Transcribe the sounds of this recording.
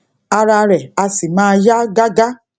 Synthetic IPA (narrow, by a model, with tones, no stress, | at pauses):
a˧ɾa˧ɾɛ˨a˧si˨ma˦ja˦ɡa˦ɡa˦